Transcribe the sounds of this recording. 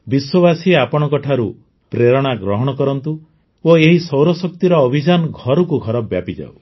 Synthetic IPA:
biswɔbasiapɔɽ̃ɔkɔʈʰaɾu | pɾeɾɔɽ̃aɡɾɔɦɔɽ̃ɔkɔɾɔnt̪u | oeɦisɔwɾɔsɔk̚t̪iɾɔːbʱid͡ʒanɔɡʱɔɾɔkuɡʱɔɾɔbjapid͡ʒa̰w

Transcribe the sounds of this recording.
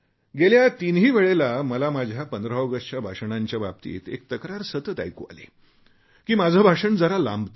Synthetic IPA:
ɡeljat̪inɦiːʋeɭelaməlamad͡ʑʱjapənd̪ɾəəɡəʂt͡ɕjabʱaʂɳaɲt͡ɕjabab̚t̪ḭːt̪ḛk̚t̪əkɾaɾsət̪ət̪a̰jko̰a̰lḛ | kiːmad͡zʱəbʱaʂəɳd͡zəɾalã̰mbt̪

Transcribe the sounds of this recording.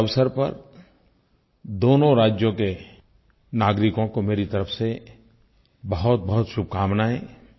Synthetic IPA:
ɐʋsəɾpɐ̰ɾ | d̪oːnõɾaːd͡ʒjõke | naːɡɾɪkõkomeːɾit̪ɐɾəfse | bɐɦʊt̪̚bɐɦʊt̪ʃʊb̚ʱkaːmnaɦɛː

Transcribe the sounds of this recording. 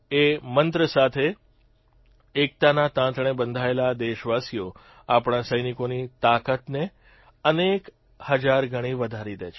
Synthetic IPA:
emənt̪ɾəsat̪ʰe | k̚t̪anat̪ãt̪ɳ̃ebənd̪ʱaelad̪eʃʋasijo | apɳ̃asəjnikonit̪akət̪ne | ənek | həd͡ʒaɾɡʱəɽ̃iʋəd̪ʱaɾid̪ḛt͡ʃʰ

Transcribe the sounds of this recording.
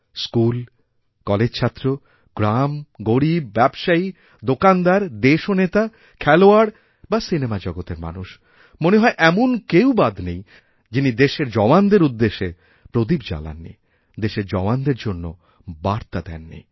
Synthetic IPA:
skul | kɔled͡ʑt͡ɕʰat̪ːɾo | ɡ̥ɾamɡoɾib̚ːɛbʃai | d̪okand̪aɾd̪eʃonet̪a | kʰɛloaɽ | basinemad͡ʑɔɡot̪eɾma̰nuʃ | moneɦɔeʔɛmonkewbad̪ʱnej | d͡ʑinid̪eʃeɾd͡ʑɔmand̪eɾud̪ːeʃe | pɾod̪ibd͡ʑa̰la̰nːḭ | d̪eʃeɾd͡ʑɔmand̪eɾd͡ʑonːo | baɾt̪ad̪ɛ̰nːḭ

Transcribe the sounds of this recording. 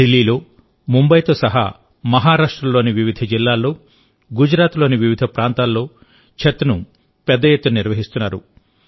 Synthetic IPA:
ɖelːiːlo̞ː | mumbɐjt̪o̞ːsɐɦa̰ː | mɐɦaːɾaːʂʈɾɐlːo̞ːniʋiʋid̪ʱɐd͡ʒilːaːlːo̞ː | ɡud͡ʒɾaːt̪lo̞ːniʋiʋid̪ʱɐpɾʔaːnt̪aːlːo̞ː | t͡ʃʰet̪ːɐnu | pɛd̪ːɐjet̪ːuɐniɾʋɐɦist̪unːaːɾṵ

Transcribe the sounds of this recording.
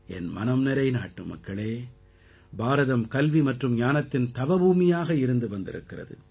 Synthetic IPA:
ɛnmɐ̰nɐmnɛɾɐɪnaːʈːɯ̰mɐ̰kːɐɭeː | baːɾɐðɐmkɐlʋimɐʈrɯmɲaːnɐt̪ːɪnt̪ɐʋɐbuːmɪjaːɣɐɪɾɯnd̪ɯʋɐnd̪ɪ̰ɾɯ̰kːɪrɐ̰ðɯ̰

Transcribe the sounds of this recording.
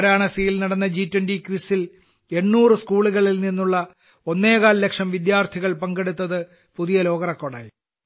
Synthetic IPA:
ɾaːɳɐsijilnɐɽɐnːɐd͡ʑiːtːwɐndikʋisːil | e̞nːuːrɨskuːɭuɣɐɭilninːuɭːɐ | o̞nːeːɣaːlle̞kʂɐmʋid̪jaːrt̪ʰiɣɐɭpɐŋɡeɽut̪ːɐðɨ | puðijɐlo̞ːɣɐrɐkːoɽa̰ːji

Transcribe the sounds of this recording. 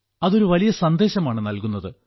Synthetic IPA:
ɐðo̞ɾuʋɐlijɐsɐnd̪e̞ːɕɐmaːɳɨnɐlkunːɐðɨ

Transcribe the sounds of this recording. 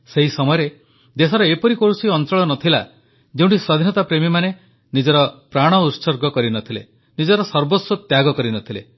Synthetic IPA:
seɦisɔmɔjɔɾe | d̪esɔɾɔepɔɾikoɾusiɔnt͡ʃɔɭɔnɔt̪ʰila | d͡ʒeũɳʈiswɔd̪ʱinɔt̪apɾemimane | nid͡ʒɔɾɔpɾaɽ̃ɔut̪sɔɾɡɔkɔɾinɔt̪ʰile | nid͡ʒɔɾɔsɔɾbot̪sɔt̪jaɡɔkɔɾinɔt̪ʰile

